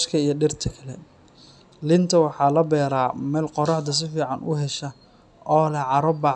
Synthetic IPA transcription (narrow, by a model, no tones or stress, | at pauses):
ʃkʰɐijɞɖɪrt̪ʰɐkʰɐlɛ̰ | lɪnt̪ʰɐwɑħɑːlɐbɛːɾaːmɛːlqɔɾɐħd̪ɐs̬ɪfiːʕɑnʔʊ̰ɦɛʃɐ | ɔːlɛʕɑɾɔbɑ